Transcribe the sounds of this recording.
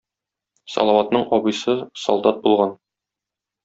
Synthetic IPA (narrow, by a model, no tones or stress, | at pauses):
sɒ̰lˠɑwɑt̪nɤɴʔɒbɤjsɤsɒlˠd̪ɑt̪̚bulˠʁɑn